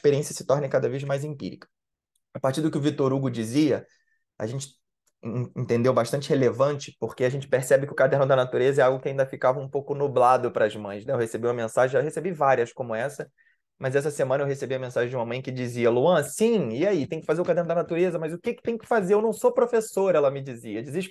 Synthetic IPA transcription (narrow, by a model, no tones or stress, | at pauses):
ʃpeɾiẽsjɐsɪ̥t̪ɔɾnɪkad̪ɐvezmajzẽmpḭɾḭkɐ̥ | apat͡ʃiɾd̪ʊkɪʊvit̪oɾuɡʊd͡ʒiziɐ | a̰ʒẽnt͡ʃɪ̥̃ | t̪ẽnd̪ewbaʃt̪ɐ̃nt͡ʃɪhelevɐ̃t͡ʃɪ̥poχkeaʒẽnt͡ʃɪ̥peχsɛbɪkɪʊkad̪ɛɾnʊd̪ɐnat̪uɾezɐɛɾawɡʊkɪaĩnd̪ɐfikavɐũpowkʊnublad̪ʊpɾɐzmɐ̃j̃snɛewhesebiumɐmẽsaʒẽjwhesebivaɾiɐskõmʊɛsɐ | mɐzɛs̬ɐsemɐ̃nɐewɦesebiɐmẽsaʒẽd͡ʒũmɐmɐ̃j̃kɪd͡ʒiziɐluɐ̃sĩiait̪ẽj̃kɪfazeɾʊkad̪ɛɾnʊd̪ɐnat̪uɾezɐmɐzʊkɪkɪ̥t̪ẽj̃ʊkɪ̥fazeɾewnɐ̃w̃sopɾofesoɾɛlɐmɪd͡ʒiziɐd͡ʒiziʃ